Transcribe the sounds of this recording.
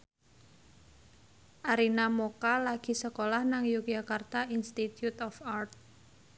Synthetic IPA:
ʔaɾinamokalaɡ̥i̤səkolahnaŋjuk̚d͡ʒakart̪ainst̪it̪jut̪ɔfart̪̚

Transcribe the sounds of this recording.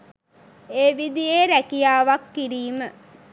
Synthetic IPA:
eːʋid̪ijeːɾækijaːʋakːiɾiːmə

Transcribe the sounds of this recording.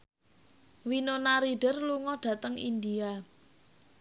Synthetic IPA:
winonaɾiɖ̥ərluŋɔɖ̥ä̤t̪əŋḭnd̪ia

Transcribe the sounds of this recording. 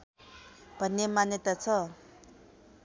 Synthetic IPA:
b̥ʱʌnːemanjet̪at͡sʰʌ

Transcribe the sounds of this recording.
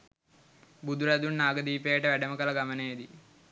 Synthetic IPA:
bud̪uɾɐd̪unːaːɡɐd̪iːpeːʈɐʋɛɖɐmɐkɐlɐɡɐmɐneːd̪i

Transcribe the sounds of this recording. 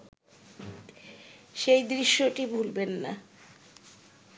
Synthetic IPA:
ʃejd̪ɾiʃːoʈibʱulbenːa̰

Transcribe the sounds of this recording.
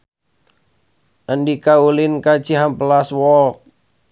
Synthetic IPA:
ʔəndikaulɪnkḁt͡ʃiɦamplaswɔlk̚

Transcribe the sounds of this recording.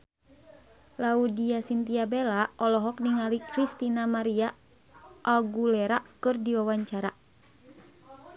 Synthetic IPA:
laudiasint̪iabelaʔɔlɔɦɔk̚niŋalikɾist̪inamaɾia | ʔaɡulɛɾakɨrdiwawaɲt͡ʃaɾa

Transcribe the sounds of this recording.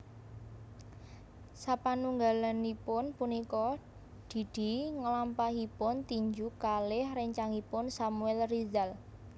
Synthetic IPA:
sapanuŋɡalanipʊnpunikɔ | d̪̥i̤d̪̥i̤ŋəlampaɦipʊnt̪iɲd͡ʒukalɪhrɛɲt͡ʃaŋipʊnsamuɛlrizal

